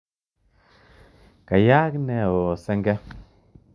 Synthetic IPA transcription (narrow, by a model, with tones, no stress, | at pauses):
ka˨ja˦knɛ˧˨o˨sɛ˦ŋɡɛ˦